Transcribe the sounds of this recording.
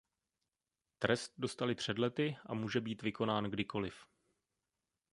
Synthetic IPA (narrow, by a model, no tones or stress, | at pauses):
t̪ɾʔɛst̪̚do̞st̪alɪpr̝̥ɛdlɛt̪ɪʔa̰muːʒɛbiːt̪vɪko̞naːnɡdɪko̞lɪf